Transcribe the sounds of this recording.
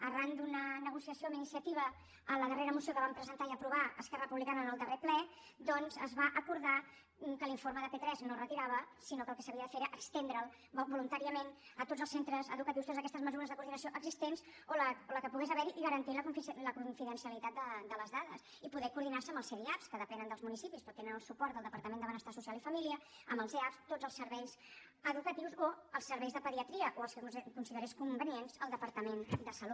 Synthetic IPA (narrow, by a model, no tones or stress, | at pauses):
ərand̪unənəɣusiəsiominisiət̪iβ̞ə | ələðəreɾəmusiokəβampɾəzənt̪aiəpɾuβ̞aəskɛrəəpuβlikanənəlˠd̪əreplɛ | d̪ɔnzəzβaʔəkuɾða | m̩kəliɱfoɾməðəpet̪ɾɛznorət̪iɾaβəsinokəlˠkɛsəβiəðəfeɾeɾəʔəkst̪end̪ɾəlˠ | bobulunt̪aɾiəmenət̪odd͡zzəlˠsent̪ɾəzə̰ðukət̪iwst̪ot̪zəkɛst̪əzməzuɾəzðəkuɾðinəsioʔəɡzist̪enzoləoləkəpuɣezəβɛɾiʔiɣəɾənt̪iləkuɱfləkuɱfiðənsiəlit̪at̪̚d̪əd̪ələzðaðə̰s | ipuðɛkuɾðinarsəmbəlˠseðiapskəðəpɛnənd̪əlˠzmunisipispɾɔt̪enənəlˠsupɔɾt̪d̪əlˠd̪əpəɾt̪əmẽnd̪əβənəst̪asusijalifəmiliəəmbəlˠzeapst̪od͡zəlˠsəɾβɛjz | əðukət̪iwzoəlˠsːəɾβɛjzðəpəðiət̪ɾiəʔoəlˠskəkunsiðəɾeskumbənienzəlˠd̪əpəɾt̪əmend̪əsəlu